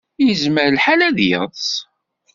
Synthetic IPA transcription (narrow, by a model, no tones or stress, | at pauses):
jəzməɾəlħalæðjə̰ðˤs